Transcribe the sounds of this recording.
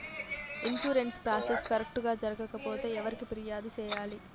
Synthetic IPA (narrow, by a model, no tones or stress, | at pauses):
insuːɾe̞nspɾaːseskɐɾek̚ʈɡaːd͡ʒɐɾɐɡɐkɐpo̞ːt̪e̞ːɛʋɐɾikipɾijaːd̪ut͡ʃɛːjaːli